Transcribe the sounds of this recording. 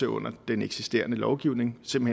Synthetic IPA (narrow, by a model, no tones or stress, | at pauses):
əɔ̽n̰ɐd̥eneɡ̥sisd̥e̝̰ːɐnəlɒʊɡ̥iʊ̰ne̝ŋse̝mb̥̩he